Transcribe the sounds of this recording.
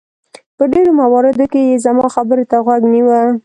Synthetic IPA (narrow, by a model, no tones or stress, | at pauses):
pəɖeɾomawɑɾɪd̪okejezamɑxabəɾot̪aɣwaɡniwa